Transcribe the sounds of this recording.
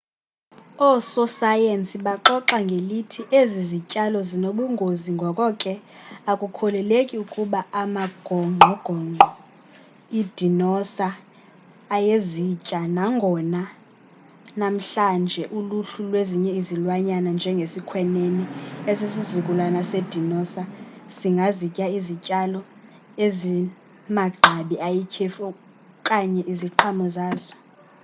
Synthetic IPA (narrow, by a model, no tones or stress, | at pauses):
ɔsɔsajensiɓaǃɔǁaŋɡʱelitʰiʔezizicʼalɔzinoɓuŋɡʱoziŋɡʱɔkʼɔkʼɛakʼukʰɔlɛlekʼiukʼuɓaamaɡ̥ʱɔŋ͡ǃŋ͡ǃʱɔɡ̥ʱɔŋ͡ǃʱɔ | id̥ʱinɔsaː | jezit͡ʃʼanaŋɡʱɔna | nam̩ɬand͡ʒʱɛʔuluɬulweziɲɛizilwaɲanand͡ʒʱɛŋɡʱesikʰwɛneniesisizukʼulanased̥ʱinɔsaz̥iŋɡʱazicʼaizicʼalɔ | ezi | maɡ͡ǃʱaɓiajikʰɛfɔ | kʼaɲɛʔiziǃʰamɔzaːzɔ̥